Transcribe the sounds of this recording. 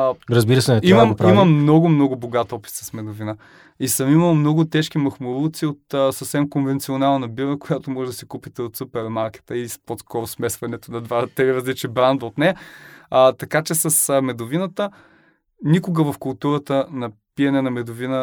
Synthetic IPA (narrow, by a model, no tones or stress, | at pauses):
ɾəzbiɾəsɛnɛtiməmpɾiməmnɔɡʊmnɔɡʊboɡat̪ɔpi̥t̪sɐsmɛd̪ovinə | isəmiməlˠmnɔɡʊt̪ɛʃkimɐxmʊɾulˠt̪siot̪əsəfsɛmkonvɛnt̪sionalˠnɐbiɾəkojat̪omɔʒɛd̪ɐsɛkupit̪ɛot̪supɛɾmaɾkʲɛ̥t̪əisposkɔɾʊsmɛsvɐnɛt̪onɐd̪vat̪ɾiɾɐzlit͡ʃɛbɾand̪ot̪nɛ | t̪ɐkat͡ʃɛsɐsmɛd̪ʊvinət̪ə | nikʊɡəvɐfkʊlˠt̪uɾət̪ənɐpiɐnɛnɐmɛd̪ovinə